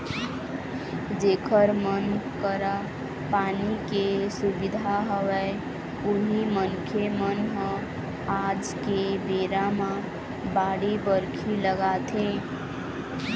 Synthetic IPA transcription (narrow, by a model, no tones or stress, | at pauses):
d͡ʒekʰəɾmənkəɾa | panikesubid̪ʱaɦəwɛ | uɦimənkʰemənɦə̃ | ad͡ʒ | kebeɾamã | baɽibəɾkʰiləɡat̪ʰẽ